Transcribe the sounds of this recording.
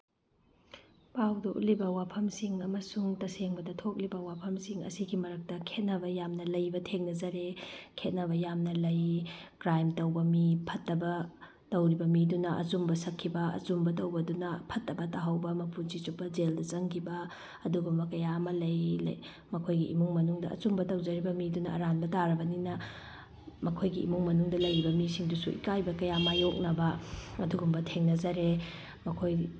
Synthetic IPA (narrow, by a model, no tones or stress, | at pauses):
pawdɐʔṵt̚libɐwapʰɐmsiŋɐmɐsuŋtɐseŋbɐdɐtʰok̚libɐwapʰɐmsiŋɐ̰siɡimɐɾɐk̚tɐkʰet̚nɐbɐjamnɐlɐjbɐtʰeŋnɐzɐɾekʰet̚nɐbɐjamnɐlɐjkɾajmtɐwbɐmipʰɐtːɐbɐ | tɐwɾibɐmidunɐʔɐ̰zumbɐsɐkʰːibɐɐ̰zumbɐtɐwbɐdunɐpʰɐtːɐbɐtaɦɐwbɐmɐpʰud͡ʒit͡ʃupːɐd͡ʒeldɐt͡ʃɐŋkʰibɐ | ɐduɡumbɐkɐjaɐmɐlɐjlɐ̰ | mɐkʰojɡiʔḭmuŋmɐnuŋdɐʔɐ̰t͡ʃumbɐtɐwd͡ʒɐɾibɐmidunɐʔɐ̰ɾanbɐtaɾɐbɐninɐ | mɐkʰojɡiʔḭmuŋmɐnuŋdɐlɐjɾibɐmisiŋdusuʔḭkajbɐkɐjamajok̚nɐbɐɐduɡumbɐtʰeŋnɐd͡ʒɐɾe | mɐkʰoj